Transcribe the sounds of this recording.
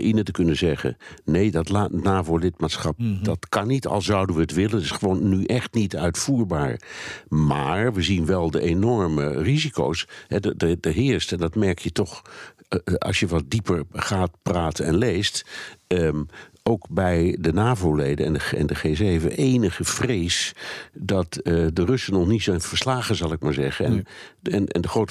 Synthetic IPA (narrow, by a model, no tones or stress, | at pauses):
ʔɪnətəkɵnəzɛχə̰nejdɑtlanaːvolɪt̚maːtsχɑp̚d̥ɑtkɑnːitɑ̰lˠzɑwdənʋəətʋɪlənətɪ̥sχəʋownːyʔɛχtnitœɥtfuːɹbaːɹmaːɹʋəzinʋɛlˠdəʔenɔɹməriziko̰wsɦɛddədəɦɪːɹstɛndɑtmɛɹkjətɔχ | ʔɑ̰lˠʃjəʋɑt̚dipəɹχaːtpraːtəɛ̰nlejst | owkbɛjdənaːvowlejdənɛ̰ndəɛ̰ndəχezevə̰ʔejnəχəv̥rejsdɑtdərɵsənɔχnitsoɪnv̥əɹslaːχənzɑlˠɪk̚maːɹzɛχəɛnɛnɛ̰ndəχowt